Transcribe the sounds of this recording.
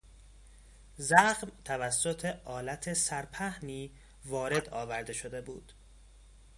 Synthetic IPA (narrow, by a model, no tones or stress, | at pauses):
zæxmt̪ʰævæsːo̞t̪ʰe̞ʔɒːlæt̪ʰesæɾpʰæhniː | vɒːɾe̞d̪ɒːvæɾd̪e̞ʃo̞d̪e̞buːd̪̥